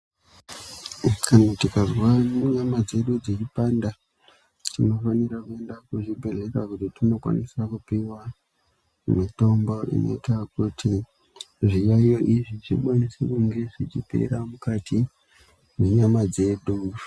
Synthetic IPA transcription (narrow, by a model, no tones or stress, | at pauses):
kʰanautikazwamuɲamad͡ze̞ɗud͡zet͡ʃipanda | tino̞fanirakue̞ndakuʐibʱe̞rekakutitino̞kwa̰nisakupiwa | umito̞mboḭno̞̰itakutʰi | ʐijajo̞ʔiʐiʐikwanisekuŋɡe̞ʐit͡ʃipḛɾamukatʰi | neɲamad͡ze̞ɗu